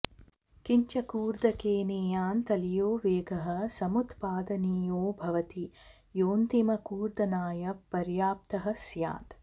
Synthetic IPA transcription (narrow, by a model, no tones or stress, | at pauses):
kiɲt͡ʃɐkuːɾd̪ɐkeːneːjaːnt̪ɐlijoːʋeːɡɐɦɐ̆sɐmut̪paːd̪ɐniːjoːbʱɐʋɐt̪i | joːnt̪imɐkuːɾd̪ɐnaːjɐpːɐɾjaːp̚t̪ɐɦɐ̆sja̰ːt̪